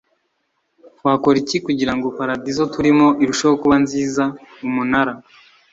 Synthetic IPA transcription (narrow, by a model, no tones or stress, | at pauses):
waːko̞ɾicikuɟiɾaŋɡopaɾadizo̞tuɾimo̞ʔiɾuʃajokuβanziːzaumunaɾa